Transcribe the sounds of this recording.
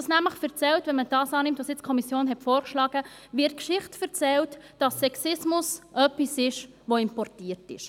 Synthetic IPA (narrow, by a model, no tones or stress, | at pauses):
ɑsnæmləχfɛɾt͡sɛltʋɛnməd̥ɑːsɑːnɪmtʋoːsjɪt͡skʰɔmisjoːnɦɛtfoːɾkʃlɑːɡ̥əvɪɾt̚kʃɪχtfɛɾt͡sɛltd̥ɑsːɛksɪsmʊsʔœpisɪʃ | ʋoɪmpɔrtiːəɾtɪʃ